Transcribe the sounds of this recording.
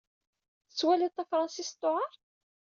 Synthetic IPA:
θəswælit̪ˤːæfɾˤɑnsist̪ˤːoʕɑɾˤ

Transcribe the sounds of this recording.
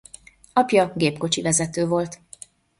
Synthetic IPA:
ɒpjɒɡeːpko̞t͡ʃivɛzɛt̪øːvo̞lt̪

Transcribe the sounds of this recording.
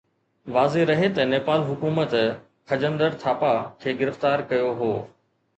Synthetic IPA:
ʋaːzeɾɐɦet̪ɐneːpaːlɦʊkuːmət̪ | kʰɐd͡ʑə̃nd̪əɾt̪ʰaːpakʰeːɡɪɾɪft̪aːɾkɐjoɦoː

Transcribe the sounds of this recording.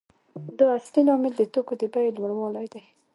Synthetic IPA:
d̪ɑasnilɑmɪld̪ət̪okod̪əbajlumɽwɑlajd̪aj

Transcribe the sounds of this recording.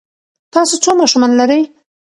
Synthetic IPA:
t̪ɑsot͡somɑʃumɑnlaɾəj

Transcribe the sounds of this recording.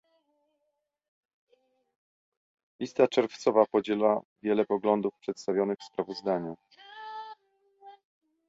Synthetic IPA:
lʲist̪at͡ʂɛɾft̪sɔvapɔd͡ʑɛlavʲjɛlɛpɔɡlɔnd̪ufpʂɛt̪st̪avʲjɔnɘxfspɾavɔzd̪aɲu

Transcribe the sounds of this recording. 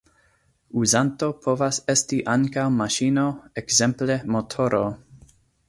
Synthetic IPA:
uzanto̞pʰo̞vasestiʔaŋkawmaʃinoekzemple̞motʰoɾo̰

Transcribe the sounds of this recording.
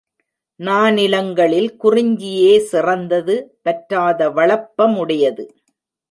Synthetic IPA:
naːnɪlɐŋɡɐɭɪlkʊrɪɲd͡ʒɪjeːsɪrɐnd̪ɐðɯpɐʈɾaːðɐʋɐɭɐpːɐmʊɽɐjɐðɯ

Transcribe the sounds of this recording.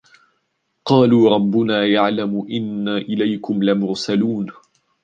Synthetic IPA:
qɑːluːɾˤɑbːʊnaːjaʕlamʊʔɪnːaʔɪlajkʊmlamʊɾsaluːn

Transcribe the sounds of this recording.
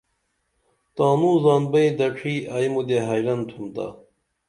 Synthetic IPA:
t̪aːnuːzaːnbɐid̪ɐʈ͡ʂʰiːaːjmud̪eɦajlɐnt̪ʰumt̪a̰

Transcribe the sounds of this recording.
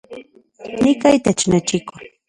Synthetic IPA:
nɪkajt̪at͡ʃnat͡ʃɪkʊ

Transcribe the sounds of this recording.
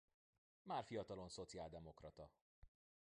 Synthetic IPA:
maːrfijɒt̪ɒlo̞nso̞t̪siaːld̪ɛmo̞krɒt̪ɒ

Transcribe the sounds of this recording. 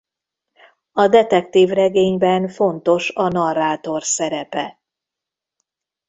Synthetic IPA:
ɒd̪ɛt̪ɛkt̪iːvrɛɡeːɲbɛnfo̞nt̪o̞ʃɒnɒrːaːt̪o̞rsɛɾɛpɛ

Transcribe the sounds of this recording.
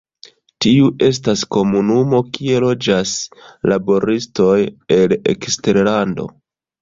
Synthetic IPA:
tiuʔe̞s̬tasko̞munumo̞kie̞lo̞d͡ʒaslabo̞ɾisto̞je̞lḛkste̞ɾlando̞̰

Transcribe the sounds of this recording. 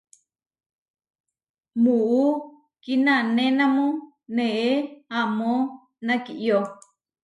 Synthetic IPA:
muu | kinanẽnãmũ | neʔeamõ | nãkiʔjo

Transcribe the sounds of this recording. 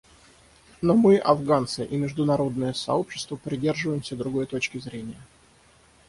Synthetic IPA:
nomɨʔɐvɡant̪sɨʔimʲɪʐd̪ʊnɐɾo̞d̪̚nəjəsɐ̰o̞pɕːɪ̥st̪vəpɾʲɪdʲe̞rʐɨvəjɪmsʲəd̪ɾʊɡo̞jt̪o̞t͡ɕkʲɪzɾʲenʲɪjə

